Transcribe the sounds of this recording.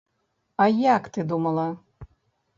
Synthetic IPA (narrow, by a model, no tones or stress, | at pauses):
ajakt̪ɨd̪umɐlˠɐ